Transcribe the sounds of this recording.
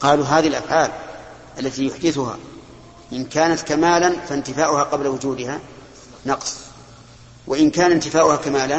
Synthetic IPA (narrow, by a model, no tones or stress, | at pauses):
qɑːluːɦaːðialʔa̰fʕaːl | ʔalːat̪iːjʊħd̪ɪθʊha̰ː | ʔɪnkaːnat̪kamaːlanfant̪ɪfaːʔʊhaːqɑblawʊd͡ʒuːd̪ɪha | nɑqsˤ | wʔaʔɪnkaːnant̪ɪfaːʔʊhakamaːla